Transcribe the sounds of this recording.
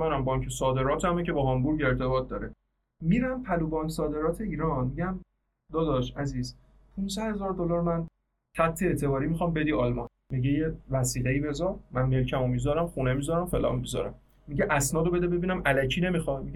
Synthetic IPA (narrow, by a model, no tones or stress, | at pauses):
ænæmbɒŋcʰesɒːd̪e̞ɾɒːt̪ʰæmecʰe̞bɒhɒmbuɾɡeɾt̪ʰe̞bɒːt̪̚d̪ɒːɾe | miɾæmpʰæluːbɒːnsɒːd̪e̞ɾɒːt̪ʰeiːɾɒnmiɟæn | d̪ɒːd̪ɒʃæziːz | pʰũnsæd̪he̞zɒːɾd̪olɒːɾmæn | t̪ʰæbt̪ʰeet̪ʰe̞bɒːɾiːmixɒːmbe̞d̪iɒlmɒn | miɟejevæsiːɣeiːbe̞zɒmænme̞lcʰæmomid̪d̪ɒːɾæmχunemizɒɾæmfe̞lɒ̰ːmmizɒ̰ɾæ̰mː | iɟeʔæsnɒːd̪obe̞d̪ebe̞biːnæmʔælæcʰiːne̞mixɒmie